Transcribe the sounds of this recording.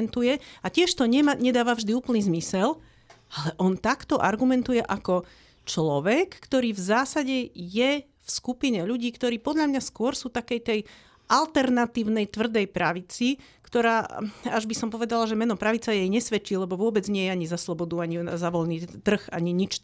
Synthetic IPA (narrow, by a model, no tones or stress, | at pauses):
nt̪ujɛacɪɛʃt̪ɔɲɛmaɲɛd̪aːʋavʒd̪iuːpl̩niːzmisɛl | alɛʔɔnt̪akt̪ɔʔaɾɡumɛnt̪ujɛʔakɔ | t͡ʃlɔʋɛkːt̪ɔɾiːvzaːsaɟɛjɛ | fskupiɲɛʎuɟiːkt̪ɔɾiːpɔd̪ʎamɲaskʊɔɾsuːt̪akɛjt̪ɛj | ʔalt̪ɛɾnat̪iːʊnɛjt̪ʋr̩d̪ɛjpɾaʋit͡si | kt̪ɔɾaːaʒbisɔmpɔʋɛd̪alaʒɛmɛnɔpɾaʋit͡sajɛjɲɛsʋɛt͡ʃiːlɛbɔʋʊɔbɛd͡zɲɪɛjɛaɲizaslɔbɔd̪uaɲiazaʋɔlniːt̪r̩xa̰ɲiɲit͡ʃ